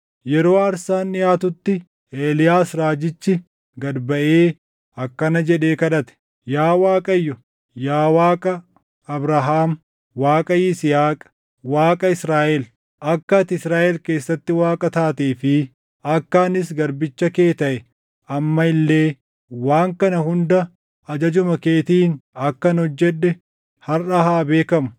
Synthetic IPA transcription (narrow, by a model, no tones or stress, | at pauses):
jɛɾoːɐɾsaːnɪjaːt̪ʊt̪ːɪ | eːlɪjaːsɾaːd͡ʒɪt͡ʃːɪ | ɡɐd̪bɐʔeː | ɐkːɐnɐd͡ʒɛᶑe̞ːkɐᶑɐt̪ɛ̥ | jaːwaːkʼɐjːʊ | jaːwaːkʼɐ | ɐbɾɐɦaːm | waːkʼɐjɪsɪhaːkʼ | waːkʼɐɪsɾaːʔɛl | ʔɐkːɐt̪ɪɪsɾaːʔɛlke̞ːsːɐt̪ːɪwaːkʼɐt̪aːt̪eːfɪ | ɐkːaːnɪs̬ɡɐɾbɪt͡ʃːɐke̞ːt̪ɐʔɛ | ɐmːɐɪlːe̞ː | waːŋkɐnɐhʊnd̪ɐ | ɐd͡ʒɐd͡ʒʊmɐkeːt̪iːnɐkːɐnɔd͡ʒːɛᶑɛ | hɐrɐhaːbe̞ːkɐmʊ̥